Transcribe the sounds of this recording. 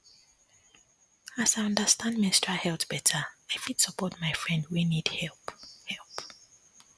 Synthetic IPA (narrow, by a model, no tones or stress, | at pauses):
asaɪjʌ̃ndəstãndmɪ̃stɹahɛltb̥ɛtʰəaɪfid̥səpɔt̚maɪfɹɛ̃ndwinid̥hɛlphɛlˠp